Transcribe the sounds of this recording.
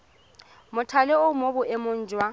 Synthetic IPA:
mʊtʰalɛʊmobʊʔemʊn̩ːd͡ʒʱwa

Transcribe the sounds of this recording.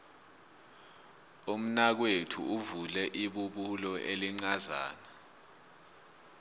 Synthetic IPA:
um̩nak̬wetʰṵuvulɛʔiɓuɓulɔʔeliŋ͡ǀaza̰ːna

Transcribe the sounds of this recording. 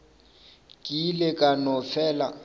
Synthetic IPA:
kʼilekʼanɔfɛːla̰

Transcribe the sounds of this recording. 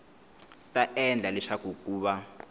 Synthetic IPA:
tʼaʔɛnd͡ɮʱalɛʃakokʼuːɓa

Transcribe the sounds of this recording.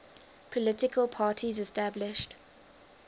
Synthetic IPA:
pʰəlɪtɪkʰəlˠpʰɑːˑtʰizɛstablɪʃt

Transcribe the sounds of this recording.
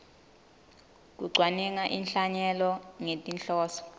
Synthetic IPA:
k̬ʼuɡ͡ǀʱwanɛŋaʔinɬaɲɛlɔŋetʼinɬɔːsɔ̥

